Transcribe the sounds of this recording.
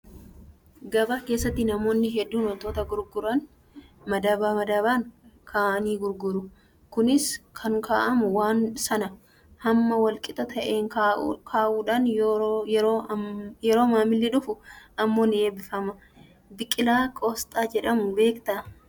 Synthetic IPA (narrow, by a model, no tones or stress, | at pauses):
ɡɐbake̞ːsːɐt̪ːɪnɐmo̞ːnːɪɦɛd̪ːuːnɐt̪o̞ːt̪ɐɡʊɾɡʊɾɐn | mɐd̪aːbaːmɐd̪aːβaːŋkʰaːʔɐniːɡʊɾɡʊɾʊ | kʊnɪskʰɐŋkʰaːʔɐmʊwaːnsɐnɐ | hɐmːɐwɐlkʼɪt̪ɐt̪ʰɐʔeːŋkʰaːʔuːᶑaːn | ɾojɛɾo̞ːmaːmɪlːɪᶑʊfʊɐmːo̞ːnɪeːbɪfɐmɐ | bɪkʼːɪlaːkʼoːst̪ʼaːd͡ʒɛᶑɐmʊbe̞ːkt̪ɐ